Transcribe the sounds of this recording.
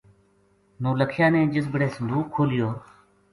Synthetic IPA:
nõːləkʰɪjãːnẽːd͡ʒɪsbəɽeːsənd̪ʱuːkʰːoːlɪjoː

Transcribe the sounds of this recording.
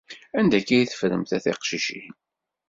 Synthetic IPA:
ænd̪ækæjθə̥fɾəmθæθiqʃiʃi

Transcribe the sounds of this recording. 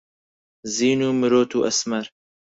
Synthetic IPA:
ziːnuːmɨɾoːt̪ʰuːʔɐsmɐɾ

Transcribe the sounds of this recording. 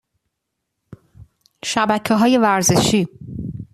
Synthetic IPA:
ʃæbæcʰeɦɒːje̞væɾzeʃiː

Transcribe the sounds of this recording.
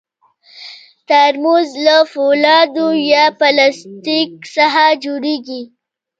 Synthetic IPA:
t̪aɾmuzlafolɑd̪ojɑpalast̪iksaɦad͡ʒoɽeɡi

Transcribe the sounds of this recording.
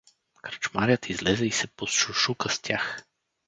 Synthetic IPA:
kɾət͡ʃmaɾʲjət̪ʰizlɛzɛisɛposʃuʃukəst̪ʲjax

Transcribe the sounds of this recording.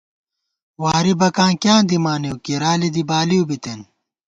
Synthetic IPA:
waːɾibɐkãːkjãːnd̪imaːniukiɾaːlid̪ibaːliubit̪en

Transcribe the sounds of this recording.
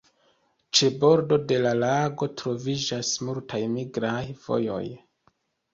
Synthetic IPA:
t͡ʃe̞bo̞ɾdo̞de̞lalaɡo̞tɾo̞vid͡ʒasmultʰajmiɡɾajvo̞̰jo̞̰j

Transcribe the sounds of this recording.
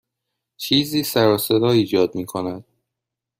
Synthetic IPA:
t͡ʃʰiːziːsæɾɒːse̞d̪ɒːiːd͡ʒɒːd̪miːkʰonæd̪̥̚

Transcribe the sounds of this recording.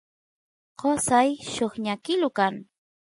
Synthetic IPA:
qosajʃoχɲakɪlʊkaŋ

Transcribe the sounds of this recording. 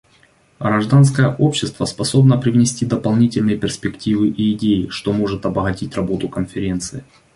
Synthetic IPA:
ɣɾɐʐd̪ans̬kəjəʔo̞pɕːɪst̪vəspɐso̞bnəpɾʲɪvnʲɪsʲtʲid̪əpɐlˠnʲitʲɪlʲnɨjəpʲɪrspʲɪktʲivɨʔiːdʲejɪʂt̪o̞mo̞ʐɨt̪ɐbəɣɐtʲitʲrɐbo̞t̪ʊkənfʲɪɾʲe̞nt̪sɨɪ

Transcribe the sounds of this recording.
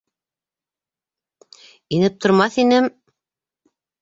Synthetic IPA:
inɘp̚t̪ʰŏɾmɑθinɘm

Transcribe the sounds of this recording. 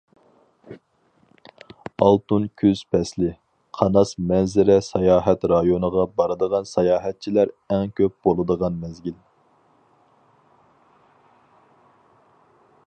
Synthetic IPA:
ɑlˠt̪unkʲʰyz̥pʰɛslɪ | qʰɑnɑsmɛnzɪɾɛsɑjɑːɦɛt̪ɾɑjonəʁɑbɑɾɨd̪əʁɑnsɑjɑːɦɛt̪̚t͡ʃʰilæɾɛŋkʲøp̚b̥olˠɨd̪əʁɑnmɛzɡʲil

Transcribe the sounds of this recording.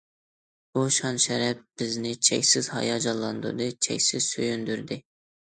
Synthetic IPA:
buʃɑnʃɛɾɛp̚b̥ɪznɪt͡ʃʰɛ̰kʲsɪz̥hɑ̰jɑd͡ʒɑlˠːɑnd̪ṵɾd̪ɨt͡ʃʰɛ̰kʲsɪz̥søjynd̪yɾd̪ɪ

